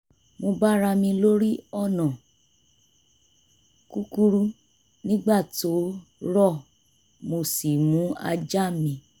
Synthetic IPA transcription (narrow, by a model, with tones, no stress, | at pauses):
mo˧ba˦ɾa˧mĩ˧lo˦ɾi˦ɔ˦˨nã˨ | ku˦ku˦ɾu˦ | nĩ˦ɡ͡ba˦˨to˨˦ɾɔ˦˨ | mo˧si˨mũ˨˦a̰˧d͡ʒa˦mĩ˧